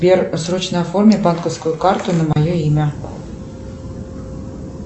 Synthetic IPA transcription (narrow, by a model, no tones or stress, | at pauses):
bʲersrot͡ɕnəɐformʲɪbankəfskʊjʊkɑrt̪ʊnəmɐjoimʲə